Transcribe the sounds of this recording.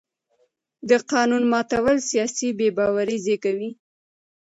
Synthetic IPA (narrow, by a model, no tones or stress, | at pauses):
d̪əqɑnunmɑt̪awəlsijɑsibebɑwaɾizekawi